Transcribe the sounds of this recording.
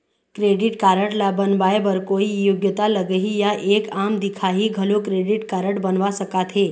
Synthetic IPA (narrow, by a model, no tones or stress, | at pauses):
kɾeːɖɪʈkaːɾəʈlabənʋaːebəɾkoːijoɡjət̪aləɡəɦijaʔeːkamd̪ɪkʰaɦiɡʱəlokɾeːɖɪʈkaːɾəʈbənʋasəkat̪ʰɦeː